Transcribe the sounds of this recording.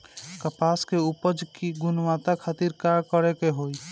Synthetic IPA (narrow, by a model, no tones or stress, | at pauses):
kəpaːskeupəd͡ʒkiɡʊnʋat̪akʰat̪iɾkaɾkəɾekeɦoi